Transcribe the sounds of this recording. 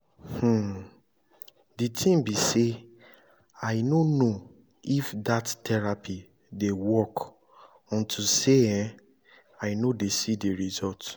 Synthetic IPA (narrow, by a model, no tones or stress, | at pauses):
h̩ | ditʰĩmbise | aɪnono | ifdattʰɛɹapʰi | dewɔk | ɔ̃ntʰuseɛ̃ | aɪnodesideɹizɔlt